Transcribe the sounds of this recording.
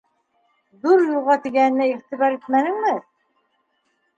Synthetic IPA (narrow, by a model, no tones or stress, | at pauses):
ðuɾjŭlˠʁɑt̪iɡæɘ̆nːæiʁt̪iβɑɾit̪̚mænɘ̆ŋmɘ